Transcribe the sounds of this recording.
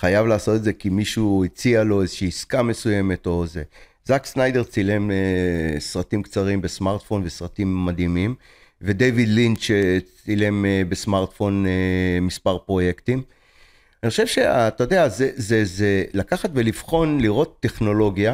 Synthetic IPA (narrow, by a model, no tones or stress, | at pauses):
χajavlaːso̞t̪etze̞kimiʃuit͡sialo̞ezeʃiːskame̞suje̞me̞t̪o̞ze | zaksnajde̞ʁt͡silemesʁat̪imkt͡saʁimbesmaʁt̪fo̞nvesʁat̪imːad̪imim | ve̞d̪ejvid̪lintʃet͡sile̞mebe̞smaʁt̪fo̞nemispaʁpʁo̞je̞kt̪im | anixχoʃe̞vʃea̰t̪od̪eazezezelakaχat̪velifχo̞nliʁo̞t̪ːe̞χno̞lo̞ɡja